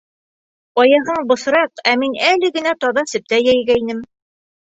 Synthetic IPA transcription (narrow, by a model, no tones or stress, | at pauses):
ɒjɑɦɤɴbɤ̆sɾɑqæminælɘɡɘ̆næt̪ɑβɑsɘ̆p̚t̪æjæjɡæinɘm